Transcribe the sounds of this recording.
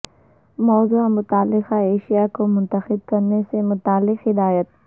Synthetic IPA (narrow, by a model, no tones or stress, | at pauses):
mɔːzuamʊt̪aːlːɪxaeːʃijakomʊ̃nt̪əxɪd̪̚kɐɾnesemʊt̪aːlːɪqɦɪd̪aːjət̪̚